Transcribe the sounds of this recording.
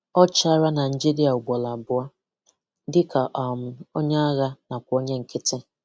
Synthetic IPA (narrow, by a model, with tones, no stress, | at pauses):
ɔ˦t͡ʃa˦ɾa˦na˨n̩˨d͡ʒi˦ɾi˦a˨ʊ˨ɡ͡bɔ˨la˨bʊ˦a˦ | dɪ˦ka˨ʔɔ˨mʊ˨o˦ɲa˦a˦ɣa˦na˨kʷo˦ɲe˦ŋ̩˨kɪ˦tɪ˦